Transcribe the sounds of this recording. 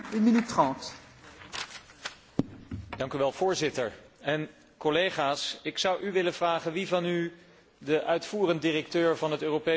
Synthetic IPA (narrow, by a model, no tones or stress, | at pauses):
ynminytːrɑ̃nt | d̥ɑŋkyʋɛlˠv̥ʊːɹzɪtəɹ | ɛn | kɔlejχaːsɪksʌwʔyʋɪləv̥raːχənʋivɑny | dəʔœɥtfuːrəndiːrɛk̚tøːɹvɑnɦətøːrope